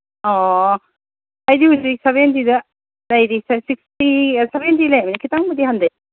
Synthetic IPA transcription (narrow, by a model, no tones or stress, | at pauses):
ɔ | ajdihuzik̚seβent̬idɐ | lɐjɾissik̚stisebent̬ilajamɐnikʰitaŋmɐdihandɐj